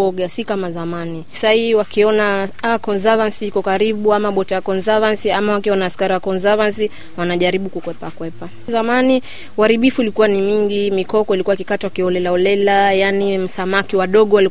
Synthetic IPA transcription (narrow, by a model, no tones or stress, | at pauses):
ɔɡasikamazamani | saiwakiɔnaakɔnzavansiikɔkaɾiɓuamaɓɔtaakɔnzavansiamawakiɔnaːskaɾiwakɔnzavansi | wanaʄaɾiɓukukwɛpakwɛpa | zamani | waɾiɓifuilikuwanimiŋɡimikɔkɔilikuwaikikatawakiɔlɛlaɔlɛlajanim̩samakiwaɗɔɠɔwali